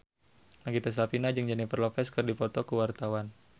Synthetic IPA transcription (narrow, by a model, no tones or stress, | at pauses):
naɡit̪ɛs̬lapinad͡ʒɨŋd͡ʒanipərlɔfɛskɨrdipɔt̪ɔkuwart̪awan